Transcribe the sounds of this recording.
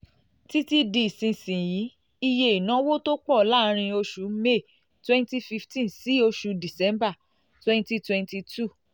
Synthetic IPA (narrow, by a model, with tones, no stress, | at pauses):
ti˦ti˦di˧i˨sĩ˧sĩ˨ji˨˦ | i˧je˧i˨nã˨˦wo˦to˦k͡pɔ˦˨la˦ɾ̃ĩ˧o˧ʃu˨˦me˦˨ | twɛ̃˦nti˦fi˧ftĩ˦nsi˨˦o˧ʃu˧di˨sɛ˨˦mba˦˨ | twɛ̃˦nti˦twɛ̃˧nti˧tu˦˨